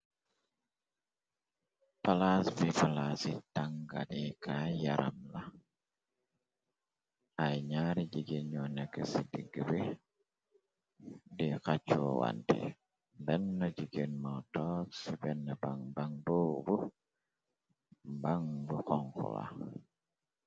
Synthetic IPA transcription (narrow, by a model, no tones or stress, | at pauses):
palasbipalasitaŋɡa̰nikʰajaɾa̰mla | ajɲaɾid͡ʒiɡenɲɔnɛkːəsidiɡəbi | dikat͡ʃːɔwa̰ntḭ | bɛnːɔd͡ʒiɡenmatɔksibɛnːəbaŋbaŋbobu | baŋbukɔŋkṵla̰